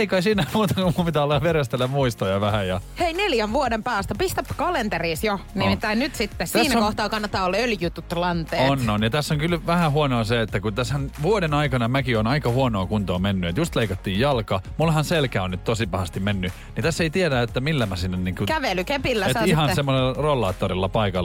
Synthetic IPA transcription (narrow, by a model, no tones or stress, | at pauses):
eikɑisiːnːæmuːt̪ɑkummumpit̪æɑlːɑʋeɾest̪elːæmmuist̪ojɑʋæhæjɑheineljæʋʋuodempæːst̪æpist̪æpːkɑlent̪eriːsjonimit̪ːæinyt̪sit̪ːest̪æːnːæːokoht̪ɑːkɑnːɑt̪ːɑːolːɑøljyt̪ːut̪ːlɑnt̪eːonːonjɑt̪æsːoŋkylʋæhæhuonoːseet̪ːækut̪æshænʋuodenɑikɑnɑmækionɑikɑhuonoːkunt̪oːmenːyet̪just̪leikɑt̪ːiːjjɑlkɑmulːhɑnselkæonnyt̪t̪osipɑhɑst̪immenːy | nit̪æsːeit̪ieɾæet̪ːæmilːæmæsinːenniːŋkukæʋelykepilːæetihɑnsemːoselːɑrolːɑːt̪ːorilːɑpɑikɑl